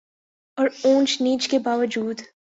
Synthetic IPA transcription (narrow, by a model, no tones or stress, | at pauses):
ɔːɾõːnt͡ʃniːt͡ʃkebaːʋəd͡ʒuːd̪